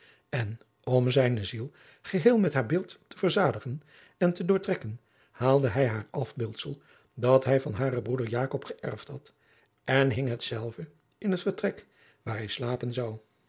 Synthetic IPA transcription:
ɛn | ɔmzɛjnəzilˠ | χəɦeːlˠmɛtɦaːɹbɪːlˠttəv̥əɹzaːdəχən | ɛntədʊːɹtrɛkən | haːlˠdəɦɛjɦaːɹɑfbɪːlˠtsəlˠ | dɑtɦɛjvɑnɦaːɾəbrudəɹjaːkɔpχəʔɛ̰ɹftɦɑt | ɛnɦɪŋɦətsɛlˠvə | ɪnɦətfəɹtrɛk | ʋaːɹɦɛjslaːpənzɑw

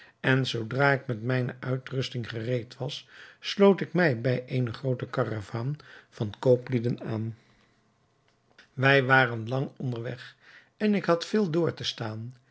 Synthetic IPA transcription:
ɛnzowdraːɪkmɛtmɛjnəʔœɥtrɵstɪŋχərejtʋɑsːlowtɪkmɛjbɛjʔejnəχrowtəkɑravaːnv̥ɑnkowplidənaːn | ʋɛjʋaːrənlɑŋɔndəɹʋɛχ | ɛnɪkɦɑtfɪːlˠdʊːɹtəstaːn

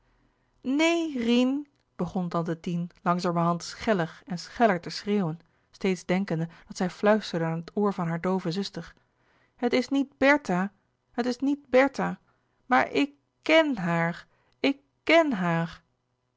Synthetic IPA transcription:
nejrin | b̥əχɔndɑndətinlɑŋzaːməɹɦɑntsχɛləχɛnsχɛləɹtəsreːwən | stejtzdɛŋkəndəd̥ɑtsɛjflœɥstəɹdəaːnɦətoːɹvɑnɦaːɹdowvəzʏstəɹ | ɦətɪsnid̚bɛɹta | ɦətɪsnid̚bɛɹta | maːɹʔɪkː | ɛnɦaːɹ | ɪkː | ɛnɦaːɹ

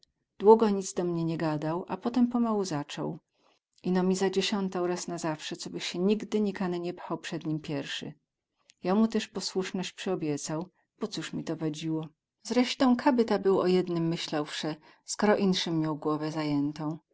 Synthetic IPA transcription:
d̪̥wuɡɔɲid̪zd̪ɔmɲɛɲɛɡad̪awʔapɔt̪ɛmpɔmawuzat͡ʂɔ̰w | ʔinɔmʲizad͡ʑeɕɔnt̪awɾasnazafʂɛt̪sɔbɘxɕɛɲiɡd̪ɘɲikanɘɲɛpxawpʂɛd̪ɲimpʲjɛɾʂɘ̰ | jamut̪ɛʂpɔswuʂnɔɕt͡ɕpʂɛɔbʲjɛt̪saw | b̥ɔt̪suʂmʲit̪ɔvad͡ʑiwɔ | zɾɛʂt̪ɔ̃w̃kʰabɘt̪abɘwɔjɛd̪nɘmːɘɕlawfʂɛ | skɔɾɔʔinʂɘmːjawɡwɔvɛzajɛnt̪ɔ̃w̃

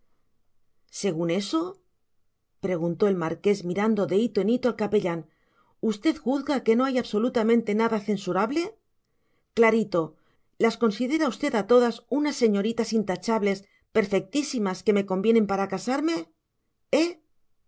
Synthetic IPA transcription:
se̞ɣ̞une̞so̞ | pɾe̞ɣ̞unt̪o̞e̞lmaɾke̞zmiɾand̪o̞ðe̞it̪oenit̪oalkapeʎan | ust̪e̞ðxuθɣake̞no̞ajaβso̞lut̪amẽ̞nt̪e̞naðaθe̞nsuɾaβle̞ | klaɾit̪o̞ | lasko̞nsiðe̞ɾaust̪e̞ðat̪o̞ðasunasːe̞ɲo̞ɾit̪asint̪at͡ʃaβle̞s | pe̞ɾfe̞k̚t̪isimaske̞me̞ko̞mbje̞ne̞mpaɾakasaɾme̞ | e

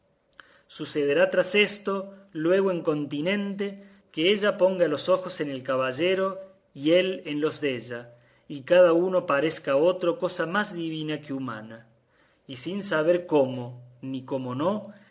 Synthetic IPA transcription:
suseð̞eɾat̪ɾase̞st̪o̞lwe̞ɣoeŋko̞nt̪inẽ̞nt̪e̞ | keeʒapo̞ŋɡalo̞so̞xo̞se̞nelkaβaʒeɾo̞ | ielenlo̞zðeʒa | ikaðauno̞paɾeskao̞t̪ɾo̞ko̞samazðiβ̞inakeuma̰na | isinsaβ̞eɾko̞moniko̞mo̞no̞

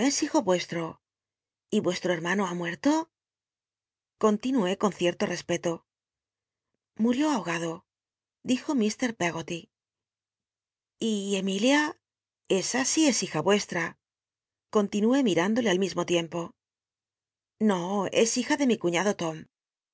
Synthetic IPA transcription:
e̞sixo̞βwe̞st̪ɾo̞ | iβwe̞st̪ɾoe̞ɾmãnoamwe̞ɾt̪o̞ | ko̞nt̪inue̞ko̞n̟θje̞ɾt̪o̞re̞spe̞t̪o | muɾjo̞aoɣ̞að̞o̞ | d̪ixo̞mist̪e̞ɾpe̞ɣo̞t̪i | ie̞milja | e̞sasie̞sixaβwe̞st̪ɾa | ko̞nt̪inue̞miɾand̪o̞le̞almizmo̞t̪je̞mpo̞ | no̞e̞̰sixaðe̞mikuɲaðot̪o̞m

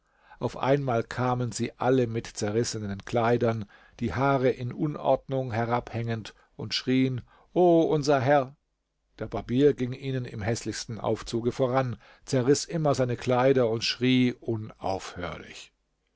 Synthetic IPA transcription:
ʔaʊfʔa̰ɪnmaːlkʰaːmənziːʔaləmɪtt͡sɛɐʁɪsənənkl̥aɪdɐn | d̥iːhaːʁəʔɪnʔʊnʔɔ̰ɐdnʊŋɦɛʁaphɛŋənt | ʔʊntʃʁ̥iːən | ʔoːʔʊnzɐɦɛɐ | d̥eːɐbabiːɐɡɪŋʔiːnənɪ̰mɦɛslɪçstn̩ʔa̰ʊft͡suːɡəfoːʁan | t͡sɛɐʁɪsʔɪmɐzaɪnəkl̥aɪdɐʊntʃʁ̥iːʔʊna̰ʊfhø̰ːɐlɪ̰ç

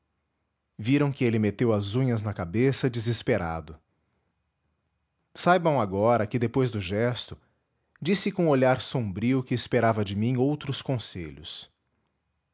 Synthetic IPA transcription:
viɾɐ̃w̃kɪelɪmet̪ewɐzũɲɐznɐkabesɐd͡ʒizɪspeɾa̰d̪ʊ | sajbɐ̃w̃aɡɔɾɐkɪd̪epojzd̪ʊʒɛst̪ʊ | d͡ʒisɪkõoʎaɾsõmbɾiʊkɪːspeɾavɐd͡ʒɪmĩowt̪ɾʊskõsḛʎʊ̰s

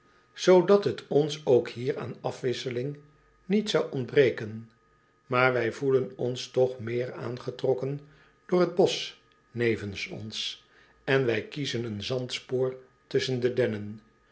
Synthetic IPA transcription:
z̥owdɑtɦətʰɔnsowkhiːɹa̰ːnɑfʋɪsəlɪŋ | nitsɑwɔndbrejkən | maːɹʋɛjvulənɔnstɔχmɪːɹa̰ːnχətrɔkən | d̥ʊːɹɦəd̚bɔs | nejvənsɔ̰ns | ɛnʋɛjkizənənzɑntspoːɹ | tɵsəndədɛnən

